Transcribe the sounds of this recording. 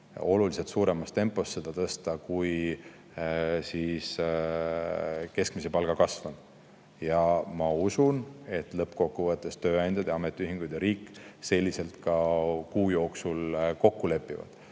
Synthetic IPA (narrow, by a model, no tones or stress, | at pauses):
o̞lulise̞t̪suːɾe̞mɑst̪e̞mpːˑo̞st̪se̞d̪̥ɑt̪ɤst̪ɑkuj | sis | ke̞skmise̞pɑlɡ̥ɑkɑsvɑn | jɑmɑusune̞t̪ːˑlɤpːko̞kːuvɤt̪ˑːe̞st̪ø̞ːɑjnd̪jɑd̪jɑme̞t̪ːˑiyɦiŋɡ̥ujd̪̥eɾiːkːˑse̞lʲːise̞lt̪kɑkuːjo̞ːksulko̞kːule̞pːˑivɑ̰d̪̥